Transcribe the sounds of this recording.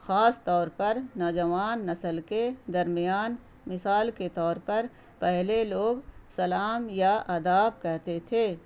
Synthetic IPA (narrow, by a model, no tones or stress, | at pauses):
xaːst̪ɔːɾpɐɾnɔːd͡ʒɐʋaːnːɐsəlked̪ɐɾmɪjaːn | mɪsaːlket̪ɔːɾpɐɾ | pɛɦleloːɡsɐlaːmjaʔɐd̪aːbkɛɦt̪et̪ʰeː